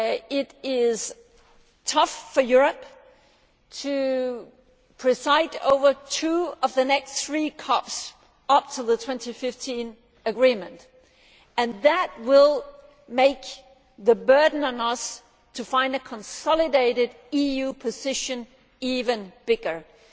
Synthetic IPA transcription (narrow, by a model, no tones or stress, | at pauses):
ɪɾɪz̥ | tʰʌfːə˞jʊɹɨp | tʰɨ | pʰɹ̥ɨsaɪɾo̰ʊvə˞tʰʉʌvðɨnɛksθɹikʰɑps | ʌp̚tʰəðətʰw̥ɛ̃ntifɪftʰĩn | ɨɡɹĩmɨ̃nt | ɨ̃nðət̚wɪlˠ | meɪk̚ | ðɨbɜ˞dⁿn̩ə̃nʌs | tʰɨfãɪ̃ndɨkʰə̃nsɑlˠɨdeɪɾɨɾ | ijʉpʰɨzɪʃɨ̃n | ivɨ̃nb̥ɪɡə˞